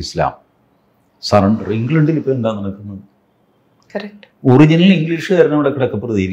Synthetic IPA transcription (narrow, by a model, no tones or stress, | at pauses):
isla̰ːm | sɐɾɐɳɖriŋɡlɐɳɖilipːoːuɳɖaːnːɐɳɐkːunːɐɨ | kɐɾɐk̚ʈurid͡ʑɐniliŋɡliːʂɨkɐɾɐnɐmiɽɐkːiɽɐkːɐpːrɐðiːɾi